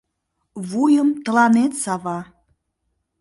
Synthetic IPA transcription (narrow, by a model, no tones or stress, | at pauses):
βujəmt̪ə̆lɑnet̪sɑβɑ